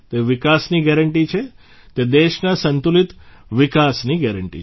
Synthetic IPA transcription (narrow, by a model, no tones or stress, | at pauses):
t̪eʋɪkasniɡɛɾəɳʈit͡ʃʰe | t̪ed̪eʃnasənt̪ulit̪ʋɪkasniɡɛɾəɳʈḭ